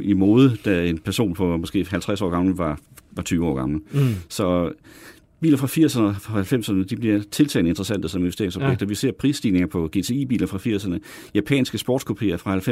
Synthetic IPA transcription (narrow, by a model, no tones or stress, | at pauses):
imoːð̞ˠəd̥æenpʰæɐso̝̰ːnpʰɒ̽mɒsɡ̥e̝̰ːɦælt͡sʰʁasɒ̰ːɡɑ̈ml̩ʋɑ̈ʋɑ̈t͡sʰyːʊɒ̰ːɡ̥ɑ̈ml̩sɒ̽ | b̥ḭːlɐfʁɑ̈fiɐ̰sɐnəfɒhælfem̰sɐnəd̥ib̥liɐt͡sʰe̝lt͡sʰɛ̰ːnəe̝nd̥ʁɐsænd̥əsɒ̽menʋese̝ɐɪŋsɒ̽b̥eɡ̥̚d̥ɐʋise̝̰ɐ̰pʰʁḭːsd̥iːne̝ŋɐpʰɒ̽ɡ̥e̝̰t͡sʰe̝iːbḭːlɐfʁɑ̈fiɐ̰sɐnə | jæpʰɛ̰nsɡ̥əsb̥ɔ̰ːd̥kʰo̝pʰe̝̰ːɐfʁɑ̈hælfe